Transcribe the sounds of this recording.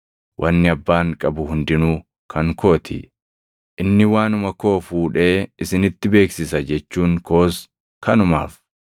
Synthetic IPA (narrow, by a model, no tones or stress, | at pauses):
wʔɐnːɪɐbːaːŋkʼɐbʊhʊnd̪ɪnuː | kʰɐŋkʰo̞ːt̪ʰɪ̰ | ʔɪnːɪwaːnʊmɐko̞ːfuːᶑe̞ːɪsɪnɪt̪ːɪbe̞ːksɪsɐd͡ʒɛt͡ʃːuːŋko̞ːs | kʰɐnʊma̰ːf